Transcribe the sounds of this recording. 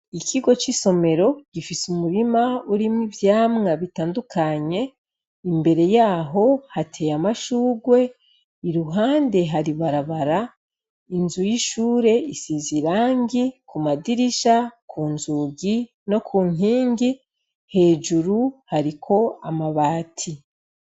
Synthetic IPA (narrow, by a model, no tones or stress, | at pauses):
ikʰiɡo̞t͡ʃiso̞me̞ɾo̞ɟ̥ifisumuɾimauɾimŋivjaːmŋaβitaːndukʰaɲe̞ | imbe̞ɾe̞jaːɦo̞hatʰe̞jamaʃuːɡwe̞ | iɾuɦaːnde̞ɦaɾiβaɾaβaɾa | inzujiʃuːɾe̞isiziɾaːŋɡikʰumadiɾiʃakʰuːnzuɡi | no̞kʰuːŋiːŋɡi | he̞ːd͡ʒuɾuhaɾikʰo̞amaβaːtʰi